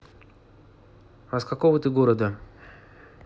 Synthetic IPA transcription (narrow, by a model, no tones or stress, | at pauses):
vɐskɐkovət̪ɨɡoɾəd̪ə